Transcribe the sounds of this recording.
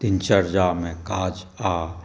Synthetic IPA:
t̪ɪnt͡ʃəɾd͡ʒaːmẽkaːd͡ʒ | aː

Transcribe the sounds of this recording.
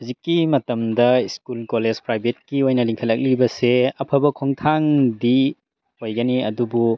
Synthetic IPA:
huzikːimɐtɐmdɐiskulkolezpɾajbʱet̚kiojnɐliŋkʰɐlɐk̚libɐseɐpʰɐbɐkʰoŋtʰaŋdi | hojɡɐniɐdubu

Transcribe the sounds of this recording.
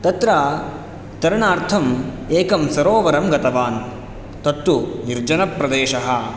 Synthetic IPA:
t̪ɐt̪ɾaː | t̪ɐɾɐɳaːɾt̪ʰɐm | eːkɐmsɐɾoːʋɐɾɐmɡɐt̪ɐʋaːn | t̪ɐt̪ːuniɾd͡ʒɐnɐpɾɐd̪eːʃɐɦɐ

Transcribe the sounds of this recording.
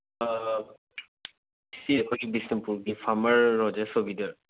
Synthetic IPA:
isiɛkʰɔibisnimpuɹɡifʰamaɹːɔzɛsobidɔɹ

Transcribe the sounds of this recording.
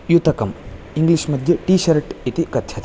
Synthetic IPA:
jut̪ɐkɐm | iŋɡliʃmɐd̪ʱjɐʈiːʃɐɾʈit̪ikɐt̪ʰjɐt̪

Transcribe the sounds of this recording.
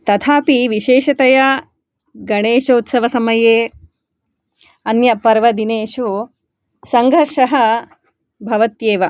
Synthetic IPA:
t̪ɐt̪ʰaːpiʋiʃeːʃɐt̪ɐjɐ | ɡɐɳeːʃɐut̪sɐʋɐsɐmɐjeː | ɐnjɐpɐɾʋɐd̪ineːʃu | sɐŋɡʱɐɾʂɐɦɐ̆ | bʱɐʋɐt̪jeːʋɐ

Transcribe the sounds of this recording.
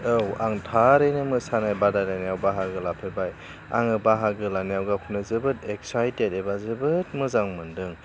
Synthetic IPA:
ɯwaŋtʰaɾejnɯmɯsanajbadaɾajnijawbaɦaɡɯlapʰebaj | a̰ŋɯbaɦaɡɯlanijawɡakʰunɯzɯbɯtek̚sajtedebazɯbɯt̚mɯzaŋmɯndɯŋ

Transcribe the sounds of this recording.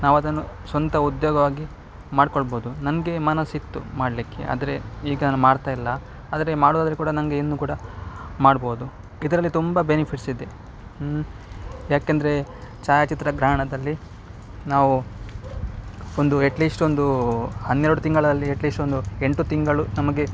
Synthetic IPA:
naːʋuɐd̪ɐnːusʋɐnt̪ɐud̪joːɡɐʋaːɡi | maːɖkoɭboːud̪unɐnɐɡe̞mɐnɐsit̪ːṵmaːɽlikːe̞̰ʔa̰ːd̪ɐɾe̞iːɡɐnːmaːɽt̪aːjilːɐ | aːd̪ɐɾe̞maːɽuaːd̪ɐɾekuːɽɐnɐŋɡe̞inːuːkuːɽɐmaːɽboːud̪u | id̪ɐɾɐlːit̪umbɐbenipʰiʈsid̪ːe | jaːkend̪ɐɾe̞t͡ʃaːjat͡ʃit̪ɾɐɡɾaːɳɐd̪ɐlːi | naːʋu | ond̪uɐʈliːsʈo̞nd̪uhɐnːeɾɽut̪iŋɡɐɭɐd̪ɐlːiɐʈliːsʈond̪ueɳʈut̪iŋɡɐɭunɐmɐɡe̞

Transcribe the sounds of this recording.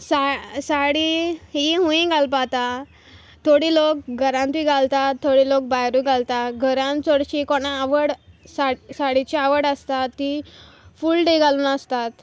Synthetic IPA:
sasaɽiɦiɦũĩɡʱalpat̪a | t̪ʰːoɽiːlok̚ɡəɾãnt̪iɡʱalt̪at̪ʰːoɽilok̚bajɾuɡʱalt̪aɡʱəɾãnt͡soɽɕikoɽ̃aaʋəɽsasaɽit͡ɕiaʋəɽəst̪at̪ːi | fuːlʈeɡaluːnəst̪at̪

